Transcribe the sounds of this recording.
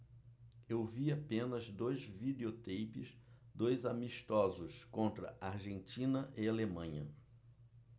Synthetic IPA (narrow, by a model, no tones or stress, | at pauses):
ewviapẽnɐzd̪ojzvid̪eot̪ejpɪs | d̪ojzamiʃt̪ɔzʊskõnt̪ɾɐ̰ʔaɾʒẽnt͡ʃĩnɐʔɪalemɐ̃ɲɐ